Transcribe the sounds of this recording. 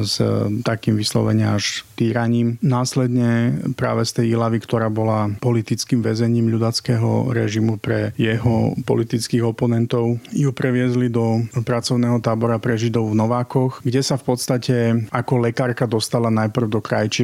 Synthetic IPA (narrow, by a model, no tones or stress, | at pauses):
st̪akiːmʋislɔ̰ʋɛ̰ɲaaʃt̪iːɾaɲiːmnaːslɛd̪ɲɛpɾa̰ːʋɛst̪ɛjilaʋikt̪ɔɾaːbɔlapɔlit̪it͡skiːmʋɛzɛɲiːmʎud̪at͡skɛɦɔ̰ɾɛ̰ʒimupɾɛjɛɦɔ̰pɔ̰lit̪it͡skiɣɔpɔnɛnt̪ɔʊjupɾɛʋɪɛzlid̪ɔpɾat͡sɔʊnɛːɦɔt̪aːbɔɾapɾɛʒid̪ɔʊvnɔʋaːkɔxɡɟɛsafpɔt̪st̪acɛʔakɔlɛkaːɾkad̪ɔst̪alanajpr̩ʊd̪ɔkɾajt͡ʃi